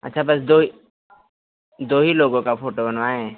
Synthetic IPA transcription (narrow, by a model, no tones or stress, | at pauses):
ɐ̰tːʃʰabɐsd̪oɦi | d̪oːɦiloːɡõkapʰoːʈobənʋaːẽ